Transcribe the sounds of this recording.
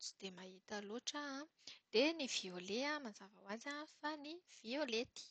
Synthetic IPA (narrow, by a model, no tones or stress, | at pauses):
t͡si̥d̪̥emaɦit̪əloʈ͡ʂa | d̪̥enivioleamanzavawazanfaniv̥iolet̪i̥